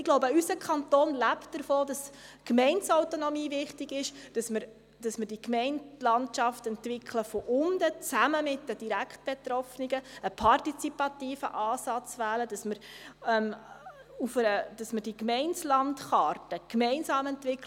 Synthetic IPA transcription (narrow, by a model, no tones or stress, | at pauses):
ɪɡ̥loʊbəysəkʰχɑnt̪oːnlæptdəɾfoːdɑskmɛɪnsaʊtonɔmiːvɪχtɪɡɪʃd̥ɑsməɾ | d̥ɑsməɾd̥ikmɛɪnlɑntʃɑftɛntvɪkʰləfɔʔʊndət͡sæməmɪtːəd̥iɾækχt̚b̥ɛt̪ɾɔfniɡəəpʰɑrtit͡sipɑtiːfə̰ʔɑːsɑt͡svæːləd̥ɑsməɾɛm | ufəɾəd̥ɑsməɾd̥ikmɛɪnslɑntχɑːrtəkmɛɪnsɑːmɛntvɪkl